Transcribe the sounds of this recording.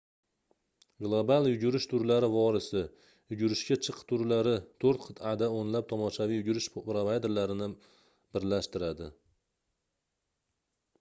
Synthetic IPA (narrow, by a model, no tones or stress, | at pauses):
ɡlˠobalˠjʊɡʲʊɾɪʃt̪ʰʊɾlaɾɪvɒɾɪsɪ | jʊɡʊɾɪʃkʲat͡ʃʰɨqt̪ʰʊɾlaɾɪt̪ʰoɾt̪qʰɨ̥t̪ʰad̪aonlap̚t̪ʰɒmɒʃavijʊɡʲʊɾɪʃpɾovajd̪eɾlaɾɪnɪ | b̥ɪɾlaʃt̪ɪɾad̪ɪ